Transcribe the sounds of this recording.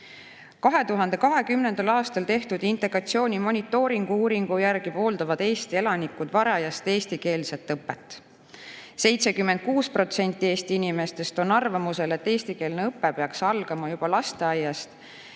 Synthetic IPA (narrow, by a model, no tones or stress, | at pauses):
kɑɦe̞t̪uɦɑnd̪̥e̞kɑɦe̞kymne̞nd̪̥ɑlɑːst̪ɑlt̪e̞ht̪ud̪̥int̪ˑe̞ɡ̥rɑt̪sio̞ːnʲimo̞nʲit̪ːˑo̞ːɾiŋɡ̥uuːɾiŋɡ̥ujærɡ̥ipo̞ːld̪ɑvɑd̪̥e̞ːst̪ie̞lɑnikːud̪vɑɾɑjɑst̪e̞ːst̪ike̞ːlse̞t̪ːˑɤpːe̞t̪ːˑ | se̞jt̪se̞kymːend̪̚kuːspro̞t̪se̞nʲt̪ˑːie̞ːst̪iinime̞st̪e̞st̪o̞nɑrvɑmuse̞le̞t̪ːe̞ːst̪ike̞ːlneɤpːepeɑksɑlɡ̥ɑmɑjub̥ɑlɑst̪eɑjːɑst̪